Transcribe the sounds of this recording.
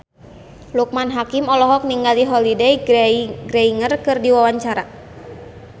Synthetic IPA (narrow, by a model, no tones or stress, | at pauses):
luk̚manɦakimɔlɔɦɔk̚niŋɡaliɦɔlidɛjɡɾeiŋərkɨrdiwawaɲt͡ʃaɾa